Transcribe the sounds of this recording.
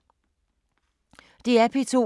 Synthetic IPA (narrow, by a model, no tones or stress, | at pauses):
d̥eæpʰit͡sʰo̝̰